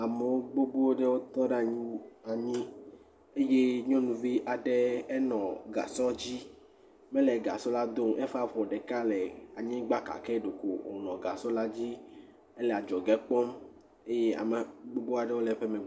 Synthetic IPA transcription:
a˨me˨wo˦ɡ͡bo˦bo˦wo˦ɖe˦wo˦t̪ɔ˦ɖe˦a˨ɲĩ˦a˨ɲĩ˦ | e˦je˦ɲɔ̃˦nũ˨vi˦ʔa˨ɖe˦ɛ˦nɔ̃˨ɡa̰˨sɔ˦d͡ʑi˦ | mẽ˦lɛ˨ɡa̰˨sɔ˦la˦d̪o˦mʔɛ˦fa˦ɸɔ˨ɖe˨ka˦lɛ˨a˨ɲĩ˦ɡ͡ba˦ka̰˨kɛ˦ɖo˨ko˨wo̰˨nɔ̃˨ɡa̰˨sɔ˦la˦d͡ʑi˦ | e˦lɛ˨a˨d͡ʒɔ˨ɡɛ˦k͡pɔ˦m | e˦je˦a̰˨me˨ɡ͡bo˦bo˦a˨ɖe˦wo˦lɛ˨ɸe˦mẽ˨˦

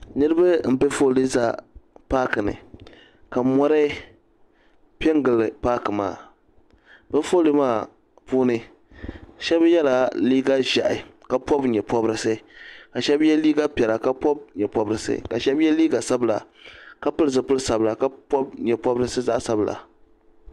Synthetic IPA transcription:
nɨ˦ɾɨ˦ba˦m̩˨bɨ˦fo˦lɨ˦za˦pa˦kɨ˨nɨ̰˨ | ka˨mɔ˦ɾɨ˦ | pɛ˦ŋ˦ɡɨ˨lɨ˨paː˦kɨ˨ma̰ː˦˨ | bɨ˦foː˦lɨ˦maː˦˨ | puː˦nɨ˦ | ʃɛ˦bjɛ˦la˨liː˦ɡa˦ʒa˨ʔɪ˨ka˨pɔ˦bɲɛ˨pɔ˦bɾɨ˦sɨ˦ka˨ʃɛ˦bjɛ˦liː˦ɡa˦pʲɛ˨la˨ka˦pɔ˦b̚ɲɛ˨pɔ˦bɾɨ˦sɨ̰˦ka˨ʃɛ˦bjɛ˦liː˦ɡa˨sa˦bla̰˨ | ka˦pɨ˦lɨ˦zɨ˨pʊ˦lsa˨bla˨ka˦pɔ˦b̚ɲɛ˨pɔ˦bɾɨ˦sɨ˦za˦ʔsa˨bla̰˨

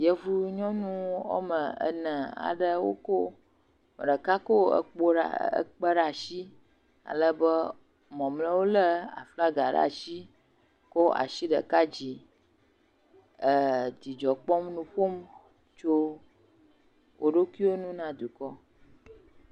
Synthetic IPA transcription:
jə˦vu˦ɲɔ̃˦nũ˦o̰˦mə̃˨ə̰˨nə̃˨a̰˨ɖə˦wo̰˦ko˦ | mə˨ɖə˨ka˦ko˦ə̰˦k͡po̰˦ə̰˦k͡pə˦ɖa˨ʃi˦ | a̰˨lə˦bə˦ | mɔ̃˨mlə̃˦wo˦lə˦a̰˨fla˦ɡa˨ɖa̰˦˨ʃi˦ | kɔ˦a̰˨ʃi˦ɖə̰˨ka˦d͡ʑi˨ | ə˨d̪i˨d͡ʒɔ˨k͡pɔ˦mnũ˦ɸo˦m | t͡ʃo˦ | wʔo˦ɖo˦ki˦wo˦nũ˦nã˦d̪u˨kɔ˦

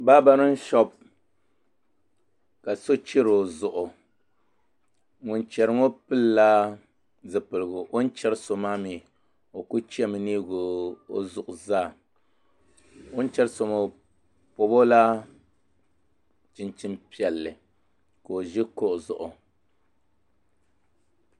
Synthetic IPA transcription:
ba˦ba˦nɨ˦n̩˦ʃɔ˦b | ka˨so˦t͡ʃi˦ɾo˨zʊ˨ʔʊ˨ | ŋʊ˨nt͡ʃɛ˨ɾɨ˦ŋo˦pɨ˦lla˦ | zɨ˨pɨ˨lɨ˨ɡʊ˨ʔo˦n̩˦t͡ʃɛ˦ɾɨ˦so˨maː˦miː˨ | o˨ku˦t͡ʃi˦ɛ˦mɨ˨niː˦ɡo˨o˦zʊ˨ʔʊ˨zaː˦˨ | o˦n˦t͡ʃɛ˦ɾso˨mo˦ | po˨bo˦la˦ | t͡ʃɪ˦nt͡ʃɪ˦mpi˦ɛ˨lːɨ˨ | ko˨o˨ʒɪ˦ko˦ʔzʊ˨ʔʊ˨

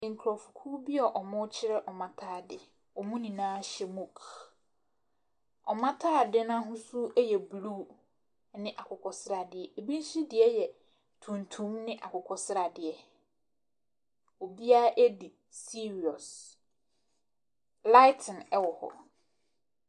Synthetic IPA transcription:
ŋ̩˨kʰɾɔ˨fu˨kʰu˦bɪ˦ɔ˨ʔɔ˨mʊ̃˦t͡ɕʰɪ˦ɾɛ˦ʔɔ˨mã˦tʰaː˦˨dɪ˨ | ɔ˨mũ˦nĩ˨nãː˦ɕɛ˦mũ˨kʰ | ɔ˨mã˦tʰaː˦˨dɪ˦nã˦ɦʊ̃˦su˦ɛ˦jɛ˨bɾuː˦˨ | nɪ̃˦ʔa˨kʰʊ˨kʰɔ˨sɪ˦ɾa˨dɪ˨ɛ˨e˨bĩ˦n̩˦si˦dɪ˨ɛ˦jɛ˨ | tʰũ˨ntʰũ˦mnɪ̃˦ʔa˨kʊ˨kʰɔ˦sɪ˦ɾa˨dɪ˨ɛ˨ | o˨bi˦a˦ʔæ˦di˨ | si˦ɾi˨ɔ˨s | la˦ɪ˦tʰɪ̃˨nɛ˦wɔ˨hɔ̰˨

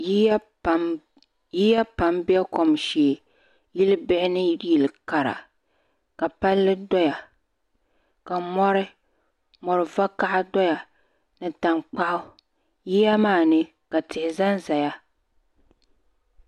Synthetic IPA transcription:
ji˦˨ | jiː˦ja˦pa˨mbɪ˦a˦ko˨mʃeː˨ | ji˦lɨ˦bɪ˦ʔɪ˦nɨ˦ji˨lɨ˨ka˨ɾa̰˨ | ka˨pa˦lːɨ˦dɔ˦ja˨ | ka˨mɔ˦ɾɪ˦ | mɔ˨ɾɨ˨va˦ka˦ʔa˦dɔ˦ja˨ | nɨ˨ta˨ŋk͡pa˦ʔʊ˦ | ji˦ja˦maː˦˨nɨ˦ | ka˨tɪ˨hɪ˨za˦nza˨ja˦

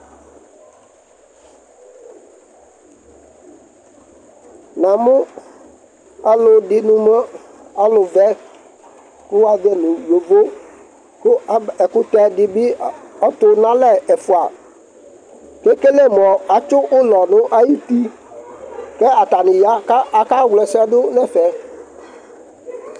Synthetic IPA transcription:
nã˨mʊ̃˦ | a˦lʊ˨dɪ˦nʊ̃˦ma˦ | a˦lʊ˨vɛ˦ | kʊ˦wa˨d̪ɛ˦nʊ̃˨jo˨vo˦ | kʊ˦ɛ˨kʊ˦t̪ɛ˦dɪ˦bɪ˦ɔ˦t̪ʊ˨nã˦lɛ˦˨ɛ˨fʊ˨a˨ | ke˦ke˦le˦m˨ɔ˨a˨t͡ʃʊ˦ʔʊ˦lɔ˨nʊ̃˦ʔa˦ji˦ti˦ | kɛ˦a˨ta˨nɪ̃˨ja˦ka˨ka˦wlɛ˨sɛ˦dʊ˦nɛ̃˦˨fɛ˨

